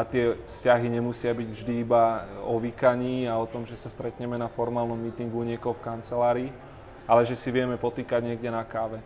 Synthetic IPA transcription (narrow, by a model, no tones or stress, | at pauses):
at̪ɪɛfscaɦiɲɛmusɪabiɟvʒd̪iːbaɔʋikaɲiːaɔt̪ɔmʒɛsast̪ɾɛt̪ɲɛmɛnafɔɾmaːlnɔmːiːt̪iŋɡuɲɪɛkɔfkant͡sɛlaːɾiː | alɛʒɛsiʋɪɛmɛpɔt̪iːkaɟɲɪɛɡɟɛnakaːʋɛ